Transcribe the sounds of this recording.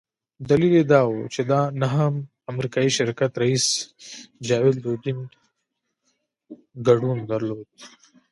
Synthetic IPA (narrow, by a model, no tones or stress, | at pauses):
d̪ɐliled̪ɑːwot͡ʃed̪anaɦam | amɾikɑːiʃɪɾkat̪ɾɐis | d͡ʒɑweld̪od̪in | ɡɐɖund̪ɐɾloːd̪̥̚